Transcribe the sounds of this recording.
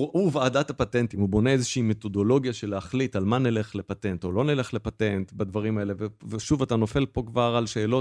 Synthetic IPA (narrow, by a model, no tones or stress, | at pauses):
ʔuvaːdatapatentimubo̞neezeʃeimet̪o̞do̞lo̞ɡjaʃe̞leaχlitalmanele̞χle̞pate̞nto̞lo̞nele̞χle̞pate̞ntbadvaʁimaele̞veveʃuvatano̞fe̞lpo̞kvaʁalʃe̞ːlo̞